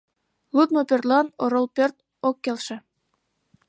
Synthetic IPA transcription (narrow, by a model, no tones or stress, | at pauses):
lˠut̪̚nopʲørt̪lɑnoɾŏlˠpʲørt̪̚ | okːelʃĕ